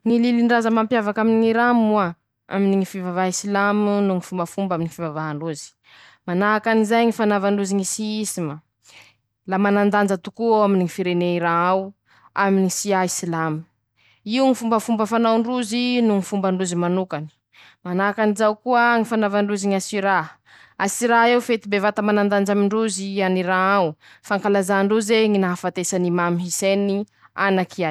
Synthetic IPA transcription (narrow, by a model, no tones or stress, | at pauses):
ŋililiɳɖ͡ʐazəmampjavakaminiŋiɾamua | a̰miniŋifivavaisilamnuŋifumbəfumbaminifivavaaɳɖ͡ʐuzi̥ | manaakanizajŋifanavaɳɖ͡ʐuziŋisiisima | lamanand̪and͡ʒət̪ukuaminiŋifiɾeneiɾãaw | aminisiaisilam̥ | iuŋifumbəfumbəfanawɳɖ͡ʐuzinuŋifumbəɳɖ͡ʐuzimanukani̥ | manakanizawkuəŋifanavaɳɖ͡ʐuziɲasiɾa | asiɾaewfet̪ibevat̪amanand̪and͡ʒamiɳɖ͡ʐuzianiɾaaw | faŋkalazaɳɖ͡ʐuzeŋinaɦafat̪esanimamiɦiseni | anakia